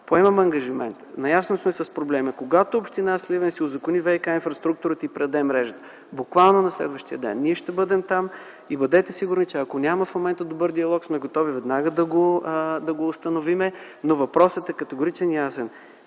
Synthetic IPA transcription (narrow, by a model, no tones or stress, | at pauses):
poɛmɐmɐŋɡɐʒimɛnt̪nɐjasnosmɛsɐspɾoblɛməkoɡat̪oːpʃt̪inaslivɛnsiozɐkonivɛjkainfɾɐst̪ɾuk̚t̪uɾət̪əipɾɛd̪ɛmɾɛʒət̪ə̥ | bʊkvalˠnonɐslɛ̰d̪vəʃt̪ijəd̪ɛ̰nːiɛʃt̪ɛbɤd̪ɛmt̪am | ibɐd̪ɛt̪ɛsiɡuɾnit͡ʃɛɐkonʲamɐfmomɛnt̪əd̪obɤɾd̪iɐlˠɔksmɛɡot̪ɔvivɛd̪naɡəd̪ɐɡod̪ɐɡoːst̪ɐnovimɛ | novɐpɾɔsət̪ɛkɐt̪ɛɡoɾit͡ʃɛnjasɛn